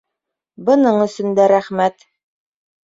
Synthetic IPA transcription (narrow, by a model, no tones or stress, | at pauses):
bɤ̆nɤɴɵ̆sɵ̆nd̪æɾæχmæt̪